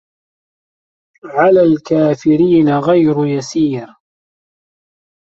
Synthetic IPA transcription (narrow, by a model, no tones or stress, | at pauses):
ʕalaːlkaːfɪɾiːnaɣajɾʊjasiːɾ